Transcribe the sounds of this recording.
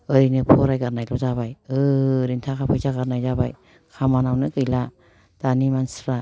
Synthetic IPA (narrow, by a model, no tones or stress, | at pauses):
ɯɾinɯpʰɔɾajɡaɾnajlɔzabajɯɾintʰakʰapʰɯjzaɡaɾnajzabaj | kʰamanawnɯɡɯjla | d̥animanspɾa